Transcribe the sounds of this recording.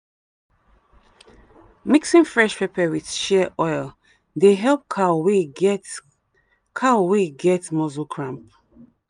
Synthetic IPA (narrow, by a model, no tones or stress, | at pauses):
miksĩŋfɹɛʃpepɛwið̥ʃɛəʔɔɪlˠ | deɦɛlˠp̚kʰawe | kʰaweɡɛtmɔzukʰɹãmp̚